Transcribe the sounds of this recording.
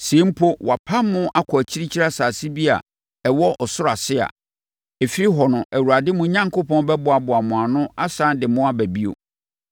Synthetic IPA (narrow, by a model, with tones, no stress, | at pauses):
sẽ˨˦m̩˦pʰo˦wa˨pʰa˦mʊ̃˦ʔa˦kʰɔ˨æ˨t͡ɕʰi˦ɾi˦t͡ɕʰi˦ɾa˦saː˨si˦bi˦a̰˨ | ɛ˨wɔ˦ʔɔ˨sʊ˦ɾa˨sɪ˦a̰˨ | e˨fi˦ɾi˦ɦɔ˨nʊ̃˨ʔæ˨wu˨a˨dɪ˦mʊ̃˦ɲã˦ŋkʰo˦pʰɔ̃˦n˦bɛ˦bʊ˨a˨bʊ˨a˨mʊ̃˨a˨nʊ̃˦a˦sãː˦n˦dɪ˨mʊ̃˦a˦bæ˨bi˦o̰˨